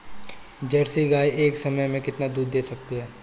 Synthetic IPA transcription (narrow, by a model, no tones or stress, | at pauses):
d͡ʒɐɾsiɡaːieːksɐməjmẽkɪt̪nad̪uːd̪ːeːsɐk̚t̪iɦɛː